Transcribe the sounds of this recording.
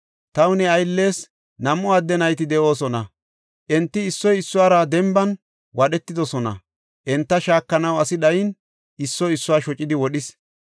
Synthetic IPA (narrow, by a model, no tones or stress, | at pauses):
t̪ɐwnɛɐjlːe̞ːs | nɐmʔɔɐd̪ːɛnɐjt̪ɪd̪ɛʔo̞ːsɔnɐ | ʔɛnt̪ːɪɪsːɔjɪsːʊwaːɾɐd̪ɛmbɐn | wɐɗɛt̪ːɪd̪ɔsɔnɐ̰ | ʔɛnt̪ːɐʃaːkːɐnɐwɐsɪd̪ɐjɪn | ɪsːɔjɪsːʊwaːʃɔt͡ʃʼːɪd̪ɪwɔɗɪs